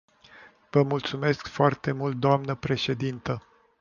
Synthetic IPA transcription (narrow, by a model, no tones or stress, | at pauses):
vəmult̪sume̞skfoart̪e̞mult̪̚d̪oamnəpɾe̞ʃe̞d̪int̪ə